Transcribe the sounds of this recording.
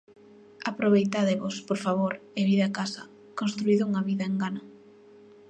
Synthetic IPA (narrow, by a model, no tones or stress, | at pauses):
apɾoβejt̪aðeβospoɾfaβoɾeβiðakasɐ | konst̪ɾuiðʊuŋɐβiðɐeŋɡanɐ